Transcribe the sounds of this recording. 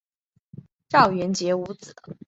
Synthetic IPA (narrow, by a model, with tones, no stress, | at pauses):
ʈ͡ʂɑ˥˩ʊɥɛ˧˥nt͡ɕjɛ˧˥u˧˥t͡sɹ̩˨˩˦